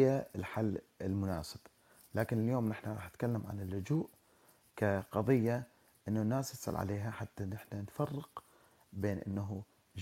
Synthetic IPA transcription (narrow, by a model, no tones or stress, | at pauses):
jaɪlħalːɪlmʊna̰ːsɪb̥ | laːkɪnɪljoːmnɪħnaɾˤɑːħnɪt̪̚kalːamʕa̰nɪlːʊd͡ʒuːʔ | kaqɑðˤɨjːa | ʔɪnːanaːsjɑsˤɑ̰lʕa̰leːɦaħat̪ːanɪħnanfɑrˤːɪq | beːnʔɪ̰nːaɦu